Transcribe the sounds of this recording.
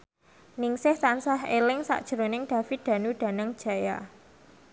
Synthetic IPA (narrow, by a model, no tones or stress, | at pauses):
nɪŋsɪht̪ansahelɪŋsa̰ʔd̥ʒ̥əɾonɪŋɖ̥a̤fid̪̥a̤nuɖ̥a̤nəŋd̥ʒ̥a̤ja̰